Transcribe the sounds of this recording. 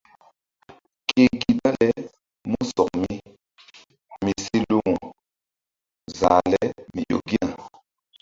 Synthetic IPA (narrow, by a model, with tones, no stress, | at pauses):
ke˨ki˨ba˦lɛ˦ | mu˦sɔ˨k̚mi˦ | mi˨si˦lu˦ŋu˨ | zaː˨lɛ˦mi˨jo̰˨ɡi˦a˦˨